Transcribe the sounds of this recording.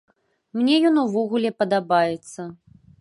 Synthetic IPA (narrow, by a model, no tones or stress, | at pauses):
mnʲɛjɔnuvɔɣulʲɛpɐd̪abajɛt̪sːɐ